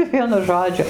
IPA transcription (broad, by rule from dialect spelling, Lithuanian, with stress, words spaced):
ˈʋʲiɛnʊ ˈʒoːd͡ʒʲʊ